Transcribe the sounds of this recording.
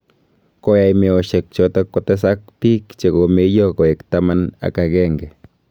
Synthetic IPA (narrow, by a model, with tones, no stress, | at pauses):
ko˨ja˨jme˨o˨ʃe˨k̚t͡ʃo˧t̪a˦ko˧˦t̪e˦sa˦k̚pi˦kt͡ʃe˨ɡo˨me˦jo˦ɡo˨je˨kt̪a˧ma˦na̰˨ka˧ɡe˦ŋɡe˨